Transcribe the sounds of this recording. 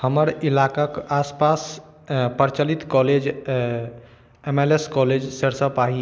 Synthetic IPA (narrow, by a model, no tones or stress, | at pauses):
həməɾilakakaspas | pəɾt͡ʃəlit̪kɔled͡ʒ | emeleskɔled͡ʒsəɾsəpaɦi